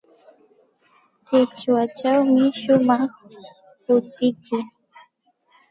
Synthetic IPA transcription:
kɪt͡ʃwat͡ʃawmɪʃʊmɑχ | pʊt̪ɪkʊ

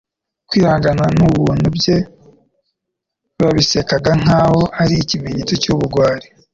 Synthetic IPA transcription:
kwiːhaːŋɡananuβuːn̥ubje̞ | βaβise̞kaɡaŋ̥aːho̞aɾiːcimeɲet͡socuβuɾɡwaːɾe̥

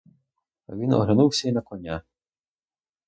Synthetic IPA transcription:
a̰vʲinɔ̰ɦlʲanuwsʲainakɔnʲa

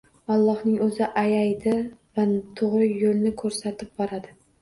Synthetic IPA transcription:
ɒlˠːɒhnɪŋɵzɪʔajajd̪ɪvat̪ʰʊʁɾɪjolnɪkʰɵɾsat̪ʰɪp̚bɒɾad̪ɪ

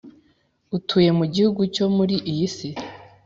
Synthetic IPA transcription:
utʰuːje̞muɟihuɡuco̞muɾiʔijisi

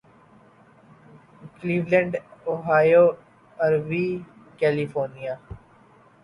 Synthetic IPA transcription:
kliːʋlɛ̃ɳɖoɦaːjoː | ɐɾʋiː | kɛːlifoːɾnijaː

